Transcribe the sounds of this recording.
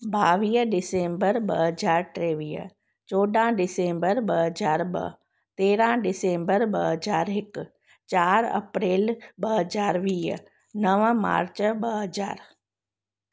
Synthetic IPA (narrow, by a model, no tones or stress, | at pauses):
baːʋiːɖɪsẽːmbəɾbəɦəzaːɾʈɾeːʋiːə̰ | t͡ʃoːɖãːɖɪsẽːmbəɾbəɦəd͡ʒaːɾbɐ̰ | t̪eːɾãɖɪsẽːmbəɾbəɦəzaːɾɪk | t͡ʃaːɾɐ̰pɾeːlbəɦəzaːɾʋiːɦ | nəʋma̰ːɾt͡ʃbəɦəd͡ʒa̰ːɾ